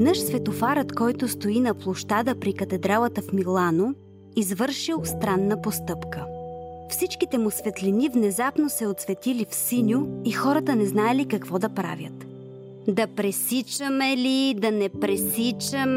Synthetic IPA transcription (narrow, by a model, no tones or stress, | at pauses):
nɤʃsvɛt̪ofaɾət̪kɔjt̪ʊst̪oinɐplˠoʃt̪ad̪əpɾikɐt̪ɛd̪ɾalˠət̪əfmilˠano | izvɤɾʃilˠst̪ɾanːəpost̪ɤpkəfsit͡ʃkit̪ɛmʊsvɛt̪linivnɛzapnosɛot̪svɛt̪ilifsinʲʊixɔɾət̪ənɛznaɛlikɐkvɔd̪ɐpɾa̰vʲjə̰t̪ | d̪ɐpɾɛsit͡ʃəmɛlid̪ɐnɛpɾɛsit͡ʃəm